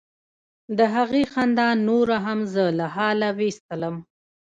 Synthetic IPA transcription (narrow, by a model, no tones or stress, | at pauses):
d̪əɦaɣexand̪ɑnːoɾaɦamzəlahɑlawest̪ələm